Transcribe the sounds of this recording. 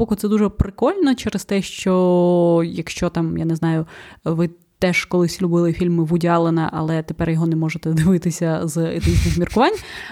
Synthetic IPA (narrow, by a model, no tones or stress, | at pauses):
ɔkʊt̪sɛd̪uʒɛpɾɪkɔlʲnɔt͡ʃɛɾɪst̪ɛʃt͡ʃɔ | jɐkʃt͡ʃɔt̪ɑmja̰nɛznɑjʊʋɪ | t̪ɛʒkɔlˠɪsʲlʲʊbɪlˠɪfʲilʲmɪʋʊdʲɑlˠenɐʔɐ̰lˠɛt̪epɛrjɔɦɔnɛmɔʒet̪ɛd̪ɪʋɪt̪ɪsʲɐzḛt̪ɪt͡ʃnɪxmʲirkʊʋɑnʲ